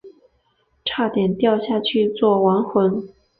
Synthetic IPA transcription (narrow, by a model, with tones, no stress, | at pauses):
ʈ͡ʂʰa˥˩t̪jɛ˨˩nt̪jɑ˥˧ʊɕja˥˩t͡ɕʰy˥˧t͡swɔ˥˩wa˧˥nxwə˧˥n